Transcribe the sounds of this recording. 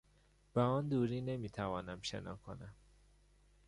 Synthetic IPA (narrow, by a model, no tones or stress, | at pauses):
b̥eɒːnd̪uːɾiːne̞miːt̪ʰævɒːnæmʃḛnɒ̰ːkʰo̰næm